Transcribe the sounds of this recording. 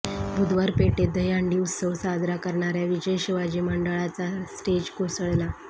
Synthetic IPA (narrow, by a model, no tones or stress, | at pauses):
bʱud̪ʋəɾpeʈed̪əjaɳɖiusəwsad̪ɾakəɾɳaɾjaʋid͡ʑəjɕiʋad͡ʑiːməɳɖəɭat͡sasʈed͡ʑkosɭla